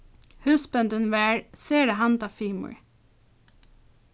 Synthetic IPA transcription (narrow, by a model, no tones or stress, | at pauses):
hʉːsbɛnd̪ənʋæːɹseːɖəɦɑnd̪ɑfiːmə̰ɹ